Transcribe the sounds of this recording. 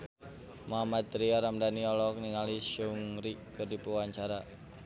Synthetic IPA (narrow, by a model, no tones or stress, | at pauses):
moɦamat̪ɾiɔɾamdaniɔlɔk̚niŋaliʃuŋɾiʔkɨrdipuwaɲt͡ʃaɾa